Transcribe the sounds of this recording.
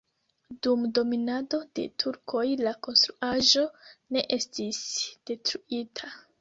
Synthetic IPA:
dumdo̞minado̞de̞̰tʰuɾkʰo̞jlako̞nstɾuaʒo̞ne̞ʔe̞stisd̥e̞tɾuitʰa

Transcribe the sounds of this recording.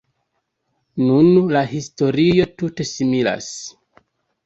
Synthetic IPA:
nunlahisto̞ɾio̞tute̞simila̰s

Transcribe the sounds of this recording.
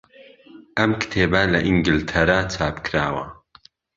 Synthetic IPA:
ʔɐmkt̪ʰeːbɐlɐʔiŋɡilt̪ʰɐɾaːt͡sʰaːpkʰɾaːwɐ

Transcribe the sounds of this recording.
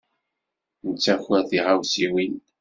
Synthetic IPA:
nət͡sːæçæθiʁawsiwin

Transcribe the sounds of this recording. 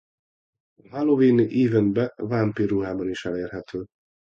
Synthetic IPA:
ɦaloviːniʔiːvɛnbɛvampiruɦaːbɒniʃɛleːrɦɛt̪øː

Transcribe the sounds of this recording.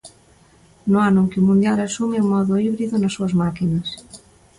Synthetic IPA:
noanõŋkɪumũnd̪jalasumeuŋmɔðʊiβɾiðonasːuɐzmakinɐs

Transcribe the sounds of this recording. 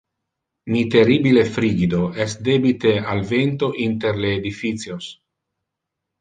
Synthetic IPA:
mit̪eribilefɾiɡid̪oɛsd̪ebit̪ealvent̪oʔint̪eɾleːd̪ifit̪sjos

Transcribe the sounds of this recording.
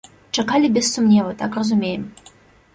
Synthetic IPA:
t͡ʂɐkalʲɪbʲɪssumnʲevət̪akrɐzumʲejɪm

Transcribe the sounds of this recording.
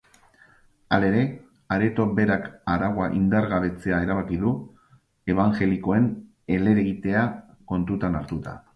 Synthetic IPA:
ale̞ɾe̞ | aɾe̞t̪o̞be̞ɾakaɾaɣwaʔind̪aɾɣaβ̞e̞t͡se̞ae̞ɾaβ̞akiðu | e̞βaŋʝe̞liko̞e̞n | e̞le̞ɾeɣit̪e̞a | ko̞nt̪ut̪anaɾt̪ut̪a̰

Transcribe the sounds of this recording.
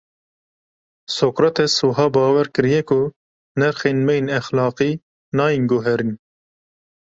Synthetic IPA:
sokɾɛt̪ɛsuːɦɑːbɑːwɛɾkɨɾijɛkʊ | nɛɾxeːnmɛjenɛxlɑːqiː | nɑːjinɡʊɦɛɾin

